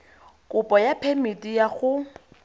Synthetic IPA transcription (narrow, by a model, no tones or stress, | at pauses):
kʼʊpʼɔjapʰemitʼijaɣʊ